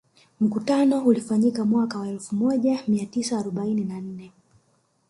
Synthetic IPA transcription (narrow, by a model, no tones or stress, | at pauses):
m̩kutanɔulifaɲikamwakawaɛlfumɔʄamiatisaːɾɔɓaininan̩nɛ